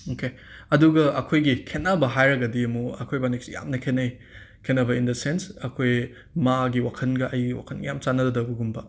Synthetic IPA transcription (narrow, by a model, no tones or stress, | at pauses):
oke | ɐduɡɐɐkʰojɡikʰenːɐbɐɦajɾɐɡɐdiɐmuɐ̰kʰojbanek̚sija̰mnɐkʰenɐj | kʰenːɐbɐindɐsensɐkʰoj | maɡiwakʰɐnɡɐʔɐjɡiwa̰kʰɐnɡjamt͡ʃanːɐdɐdɐwbɐɡumbɐ